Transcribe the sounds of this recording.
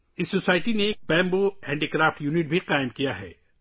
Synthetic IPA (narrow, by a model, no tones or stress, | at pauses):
ɪsːosaːɪʈineːk̚bɛ̃ːmbohɛ̃ːɳɖiːkɾaːfʈjuːnɪʈ̚bʱiqaːɪmkijaɦɛ̰ː